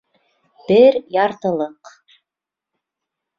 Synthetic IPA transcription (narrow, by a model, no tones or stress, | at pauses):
b̥ɪɾjɑɾt̪ɤ̆lˠɤq